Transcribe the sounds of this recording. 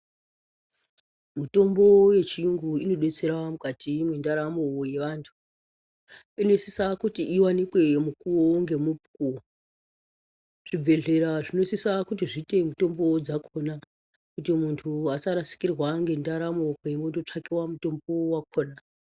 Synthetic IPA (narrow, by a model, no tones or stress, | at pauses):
mito̞mbo̞je̞t͡ʃiŋɡuino̞ɗet͡se̞ɾamukatimwindaɾamowoje̞ʋaːntʰu̥ | ino̞isisakutiʔiwanikwe̞mukuwoŋɡe̞mupukuo | ʐ̥ib͡vʱe̞ɮe̞ɾaʐinosisakutiʐite̞muto̞mbod͡zakʰona | kutimuntʰuasaɾasi̥kirwaŋɡe̞ndaɾamokeimondot͡ʂakiwamuto̞mbowak̚oːna